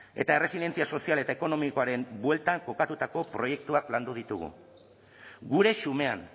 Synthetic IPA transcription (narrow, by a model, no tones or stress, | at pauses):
e̞̰t̪ae̞re̞sile̞nt͡siaso̞siale̞t̪aeko̞no̞miko̞aɾe̞mbwe̞lt̪aŋko̞kat̪ut̪ako̞pɾo̞je̞k̚t̪uakland̪uð̞it̪uɣṵ | ɡuɾe̞sume̞a̰n